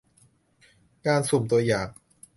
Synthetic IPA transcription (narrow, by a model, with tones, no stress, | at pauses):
kaː˧nso˨˩mt̪u˧ɐjaː˨˩ŋ